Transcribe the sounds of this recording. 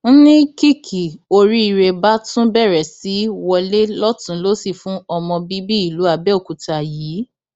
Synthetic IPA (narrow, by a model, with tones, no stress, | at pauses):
n̩˦nĩ˦ki˦kʰi˨o˧ɾi˦i˨˧ɾe˧ba˦tũ˦bɛ˦˨ɾɛ˨si˨˦wɔ˧le˦lɔ˦tũ˨˦lo˦si˦˨fũ˦ɔ˧mɔ̃˧bi˦bi˦i˦˨lu˨˦a˧˨bɛ˦o˦˨ku˨ta˨jiː˨˦